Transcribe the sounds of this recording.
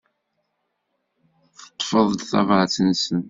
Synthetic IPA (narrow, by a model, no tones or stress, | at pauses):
θə̥t̪ˤːfəðˤd̪θɑ̰vʕt͡sənsən